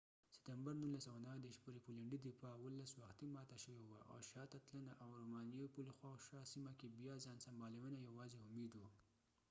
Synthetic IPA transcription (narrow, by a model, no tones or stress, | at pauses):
sɪ̥t̪ambaɾnunlasawanaɦad̪eʃpəɾepulaɳɖid̪ɪfɑwəlaswaxt̪imɑt̪aʃəwewaʔa̰ʃɑt̪at̪lənaʔawɾomɑnijopulxwaʃɑsimakebjɑzɑnsambɑlewənajawɑzeʊmed̪wu